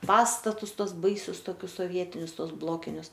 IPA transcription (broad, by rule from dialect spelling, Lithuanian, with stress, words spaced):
ˈpɑːstɐtʊs ˈtuɔs ˈbɐɪsʲʊs toːˈkʲʊs soːˈʋʲiɛtʲɪnʲʊs ˈtuɔs ˈblˠoːkʲɪnʲʊs